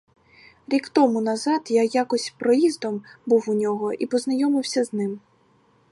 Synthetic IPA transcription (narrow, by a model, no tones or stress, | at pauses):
ɾʲikt̪ɔmunɐzɑt̪jajakɔsʲpɾɔjizd̪ɔmbuwunʲɔɦɔʔipɔznɐjɔmɪwsʲɐznɪm